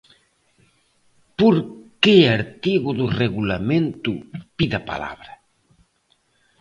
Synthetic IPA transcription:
poɾkeaɾt̪iɣʊðʊreɣulamẽnt̪ʊpiðapa̰la̰βɾɐ

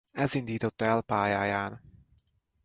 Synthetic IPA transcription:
ɛzind̪iːt̪o̞t̪ːɛlpaːjaːjaːn

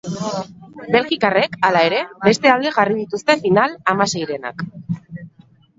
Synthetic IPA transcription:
be̞lɣikare̞kalae̞ɾe̞be̞st̪e̞ald̪e̞ɣarið̞it̪ust̪e̞finalamase̞jɾe̞na̰k

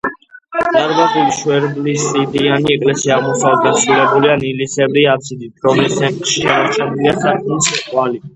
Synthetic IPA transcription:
t̪ʼaɾbat̪ʼiliʃwɛɾblisʼid̪ianiɛkʼlɛsiaːʁmɔsavɛd̪̚ɡasɾulɛbulianilisɛbɾiapsʰid̪it̪ʰɾɔmɛsɛnt̪ʼʃiaɾt͡ʃʰɛnliasakʼmɛlsit̪ʼwali

